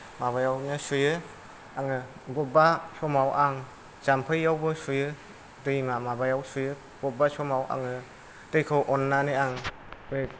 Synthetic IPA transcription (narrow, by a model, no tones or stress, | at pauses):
maβajawnɯsujɯ | aŋɯ | bɔbasɔmawʔaŋ | z̥ampʰɯjːawbɯsujɯ | dɯjmamabajawsujɯ | b̥ɔbasɔmawʔa̰ŋɯ | tɯjkʰɯwʔɔnːanɯjaŋ | be